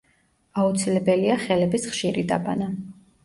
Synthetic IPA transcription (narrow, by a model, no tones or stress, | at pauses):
aut̪sʰilɛbɛliaχɛlɛbisχʃiɾid̪a̰bʼa̰na